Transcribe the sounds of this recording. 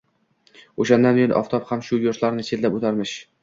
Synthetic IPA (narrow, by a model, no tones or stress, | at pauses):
oʃand̪anbejonʔɒ̰ft̪ʰɒphamʃʊjʊɾt̪laɾnɪt͡ʃʰet̪lapot̪ʰaɾmɪʃ